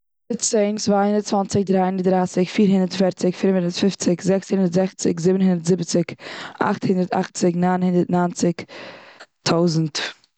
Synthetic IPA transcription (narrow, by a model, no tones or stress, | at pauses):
ət͡seɪnt͡svaːhɪndəɾt̚t͡svant͡sɪk̚dɾaːhɪndəɾtdɾaːsɪkfiːɾɦɪndəɾtfɛɾt͡sɪkfɪɾənhɪndəɾtfɪft͡sɪkzɛkshɪndəɾtzɛχt͡sɪkzɪbənhɪndəɾtz̥ɪbət͡sɪkʔa̰χthɪndəɾta̰χt͡sɪknaːnhɪndəɾtnaːnt͡sɪk | tʰaʊzn̩t